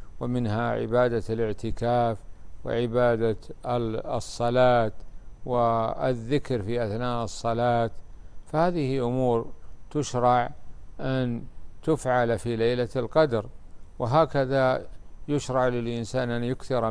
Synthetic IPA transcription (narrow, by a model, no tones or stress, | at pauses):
wɪmɪnɦaʕɪ̰baːd̪alɪʕt̪ɪkaːfwɪ̰ʕɪbaːd̪a | sˤːɑlaːt̪wɪɪ̰ðːɪkɾfiʔaθnaːʔɨsˤːɑlaːt̪fahaːðɪhiʔʊmuːɾt̪ʊʃɾˤɑʕʔant̪ʊfʕalfilajlalqɑd̪ɑɾˤwɪɦaːkaðajʊʃɾˤɑʕlɪlʔɪnsaːnʔanjʊkθɪɾˤ